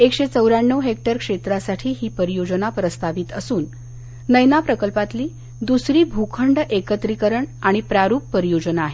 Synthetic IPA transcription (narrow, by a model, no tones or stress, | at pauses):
ekɕet͡səwɾaɳːəʋɦek̚ʈəɾkʂet̪ɾasaʈʰiːɦiːpəɾijod͡ʑənapɾəst̪aʋiːt̪əsuːnː | əjnapɾəkəlpat̪liː | d̪usɾiːbʱukʰəɳɖʔekət̪ɾikəɾəɳaɽ̃ipɾaɾuːpːəɾijod͡ʑənaːɦe